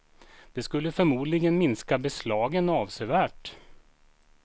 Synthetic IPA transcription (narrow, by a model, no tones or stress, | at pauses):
d̪̥ɛskɵlːəfœɾmuːd̪lɪɡənmɪnskabɛslɑːɡənɑːvsɛvæːʈ